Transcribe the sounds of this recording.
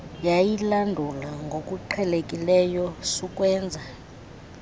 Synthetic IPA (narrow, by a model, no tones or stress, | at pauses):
jajilandʱulaŋɡʱokʼuǃʰɛlekʼilɛjɔsukʼwɛːnd͡zʱa